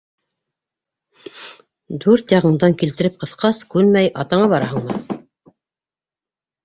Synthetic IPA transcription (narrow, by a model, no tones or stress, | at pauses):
d̪ʉɾt̪jɑʁɤ̆ɴd̪ɑŋkilt̪ɘ̆ɾɘp̚qɤ̆θqɑskʉlmæjʔɑt̪ɑɴɑβɑɾɑɦɤ̆ɴmɤ